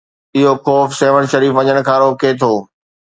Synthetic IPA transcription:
ɪɦoxɔːfseːʋəɽ̃ʃɐɾiːfɐ̃ɲəɽ̃̆kʰãːɾoːket̪ʰoː

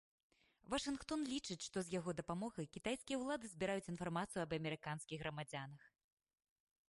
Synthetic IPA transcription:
vɐʂɨnxt̪ɔnlʲit͡ʂɨt͡sʲʂt̪ɔzjaɣɔd̪ɐpamɔɣɐjkʲit̪ajskʲijɐwlˠad̪ɨzʲbʲiɾajut͡sʲin̪farmat̪sɨjuɐbɐmʲɛɾɨkanskʲiɣɣɾɐmad͡zʲanɐx

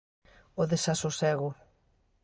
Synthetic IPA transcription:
oðesasosɛɣʊ

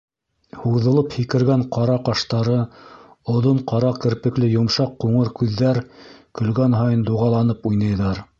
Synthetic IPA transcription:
huwðɤ̆lˠɤphikɘ̆ɾɡæɴqɑɾɑqɑʃt̪ɑɾɤ | ŏðoɴqɑɾɑkɘ̆ɾpɘ̆klɘjŏmʃɑqːuɴɤɾkʉðːæɾkɵ̆lɡænɦɑjɤnd̪uʁɑlˠɑnɤpujnɤjðɑɾ

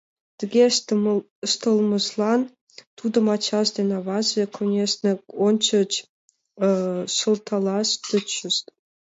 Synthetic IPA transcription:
t̪ʲə̆ɡʲe | ʂt̪ɤ̆lˠmɤ̆zlˠɑn | t̪ud̪ɤ̆mɑt͡ɕɑsd̪ʲenɑvɑzvʲekʰonʲesnʲĕonʲt͡ɕə̆t͡ɕ | ʂɤ̆lˠt̪ʰɑlˠɑst̪ə̆t͡ɕə̆ʃt̪ʲ

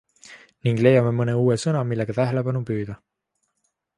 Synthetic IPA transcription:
niŋɡ̥le̞jɑme̞mɤne̞uːesɤnɑmilːeɡ̥ɑt̪æɦele̞b̥ɑnupyːd̪̥ɑ

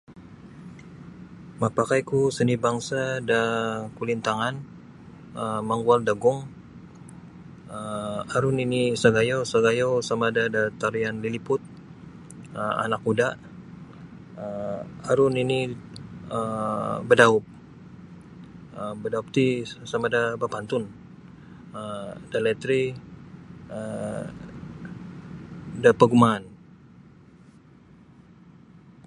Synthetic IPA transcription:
mapakajkusənibaŋsadakulint̪aŋan | əməŋɡualdaɡʊŋ | əaɾʊninisaɡajosaɡajowsamadadat̪aɾianlilipʊt̪̚ | əma̰nakudaʔ | əaɾʊnini | əbədaʊp̚ | əbədaup̚t̪isamadabapant̪ʊn | ədalɛt̪ɾi | ə | dapəɡumaːn

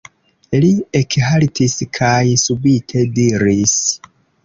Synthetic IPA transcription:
liekhaltʰiskʰajsubitʰe̞diɾis

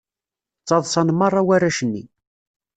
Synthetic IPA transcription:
t͡sːɑðˤsɑnmərˤːɑwæɾːæʃənːḭ

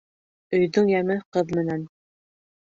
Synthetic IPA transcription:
ɵ̆jðɵɴjæmɘqɤðmɘ̆næn

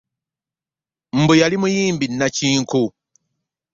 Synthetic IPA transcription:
m̩bujalimujiːmbinːat͡ʃiːŋkʰu

